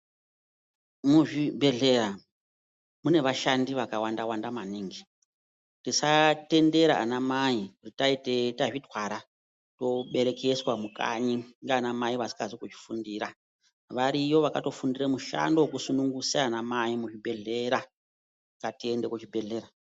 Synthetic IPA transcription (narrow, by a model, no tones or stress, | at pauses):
muʐibʱe̞ɮe̞ɾa | mune̞ʋaʃandiʋakawandawandamaniːŋɡi | tisate̞nde̞ɾaːnamaikutitaitetaʐitwaɾa | to̞ɓe̞ɾe̞ke̞swamuka̰ɲiŋɡeanamaiʋasi̥kazikut͡ʃi̥fundiɾa | ʋaɾiʋo̞ʋakato̞fundiremuʃa̰ndokusunuŋɡusaːnamaimuʐibʱe̞ɮe̞ɾa | katie̞nde̞kut͡ʃibʱe̞ɮe̞ːɾa